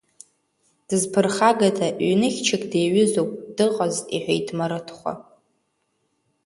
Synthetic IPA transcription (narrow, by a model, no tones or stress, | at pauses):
d̥ɨzpʰɨrχaɡatʰaʔɥnɨχʲt͡ʃʰɪkʼdejɥɪzopʼdɨqʼaziħʷᶣejtʰmaɾɨtʰχʷa̰